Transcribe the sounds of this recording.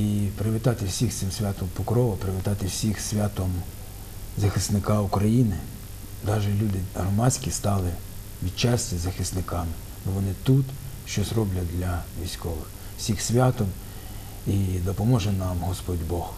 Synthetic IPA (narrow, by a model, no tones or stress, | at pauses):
ipɾɪʋʲɪt̪ɑt̪ɪwsʲixt̪sɪmsʲʋʲat̪ɔmpɔkɾɔʋɔpɾeʋʲɪt̪ɑt̪ɪwsʲixsʲʋʲat̪ɔm | zɐxɪsnɪkɑukɾɐjinɪ | d̪ɑʒɛlʲud̪ɪɦɾɔmɑt͡sʲkʲist̪ɑlˠɪ | ʋʲid̪t͡ʃɑsʲtʲɐzɐxɪst̪nɪkɑmɪ | bɔʋɔnɪt̪ut̪ʃt͡ʃɔsrɔblʲɐd̪lʲɐʋʲisʲkɔʋɪx | w̥sʲixsʲʋʲɑt̪ɔm | id̪ɔpɔmɔʒɛnɑmɦɔspɔdʲbɔh